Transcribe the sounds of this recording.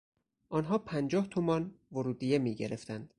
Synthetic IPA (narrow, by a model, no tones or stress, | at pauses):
ʔɒːnɦɒːpʰænd͡ʒɒːht̪ʰomɒnvoɾuːd̪iːjemiːɡɟe̞ɾḛft̪ænd̪̥